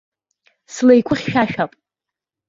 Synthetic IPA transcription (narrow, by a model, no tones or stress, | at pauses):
slejkʷʰʼʊχʲʃᶣaʃᶣapʼ